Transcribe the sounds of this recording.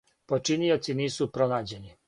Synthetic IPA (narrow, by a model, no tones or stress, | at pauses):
pot͡ʃinio̞t̪siniːsupɾo̞naːd͡ʑe̞ni